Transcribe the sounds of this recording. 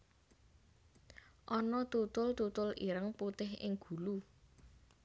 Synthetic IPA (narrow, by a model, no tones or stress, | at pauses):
ʔɔnɔt̪ut̪ʊlt̪ut̪ʊliɾəŋput̪ɪɦɪ̰ŋɡ̥ṳlu